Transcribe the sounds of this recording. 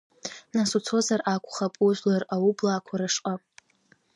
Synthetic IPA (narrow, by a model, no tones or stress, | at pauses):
nasut͡sʰo̞zarakʷʰʼχapʼuʒʷlaraublaːkʷʰaɾaʂqʼa